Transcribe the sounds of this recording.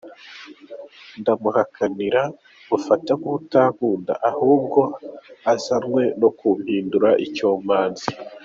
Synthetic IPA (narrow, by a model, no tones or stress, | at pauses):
ndamuhakʰaniɾa | βufatakuβutaːkuːnda̰ʔahuːb̚ɡo̞azaɾŋwe̞no̞kum̥hiːnduɾaʔicoːmaːnzi̥